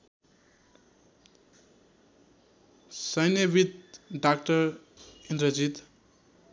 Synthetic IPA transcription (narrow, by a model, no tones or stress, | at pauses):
sʌjnebit̪̚ɖakʈʌɾ | indɾʌd͡zit̪